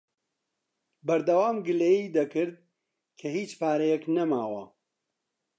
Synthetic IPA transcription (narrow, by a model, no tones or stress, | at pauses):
bɐɾd̪ɐwaːmɡɨleːid̪ɐkɨɾd̪̚ | kʰɐhiːt͡ʃpaːɾɐjɛknɐmaːwɐ